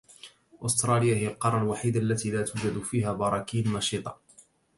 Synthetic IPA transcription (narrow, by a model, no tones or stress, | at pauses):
ʔʊst̪ɾˤɑːlɪjahɪjalqɑɾˤːɑlwaħiːd̪aʔalːat̪iːlaːt̪uːd͡ʒad̪fiːhaːbɑɾˤɑkiːanːɑʃiːt̪ˤɑ̥